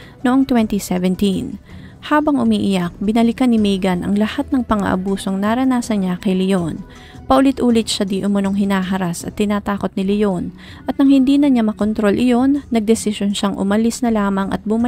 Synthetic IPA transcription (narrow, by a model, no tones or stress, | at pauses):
noʔo̞ŋt̪wɛnt̪isɛvɛnt̪in | haːbɐŋʔʊmiːʔɪjɐk̚bɪnɐlɪkɐnɪmiːɡɐnʔɐ̰ŋlɐhat̪̚nɐŋpɐŋɐ̰ʔɐ̰buːso̞ŋnaɾɐnaːsɐnɲakɐjlɪjo̞n | pɐʔʊlɪt̪ʔuːlɪt̪̚ʃad̪iʔʊmɐno̞ŋɦɪnaːɦɐɾasɐ̰t̪ːɪnaːt̪aːko̞t̪̚nɪlɪjon | ʔɐt̪̚nɐŋhɪnd̪iːnɐɲamɐkont̪ɾo̞lʔɪjo̞nːɐɡ̚d̪ɛsɪʃjonʃaŋʔʊ̰mɐlɪsnɐlaːmɐŋʔɐ̰t̪̚bʊmɐ